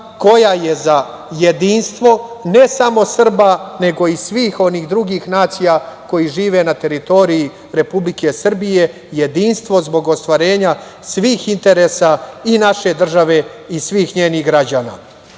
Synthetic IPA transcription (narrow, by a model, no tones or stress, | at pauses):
ko̞jaje̞za | jed̪iːnst̪ʋo̞nesamo̞sr̩bane̞ɡo̞isʋiːxo̞niːɣd̪ɾuɡiːxnaːt̪sijako̞jiʒiːʋe̞nat̪e̞ɾit̪o̞ɾiji | ɾe̞publike̞sr̩bije̞ | je̞d̪iːnst̪ʋo̞zbo̞ɡo̞st̪ʋaɾe̞ːɲa | sʋiːxint̪e̞ɾesainaʃe̞d̪r̩ʒaʋe̞isʋiːxɲeːniɣɡɾad͡ʑaːna̰ː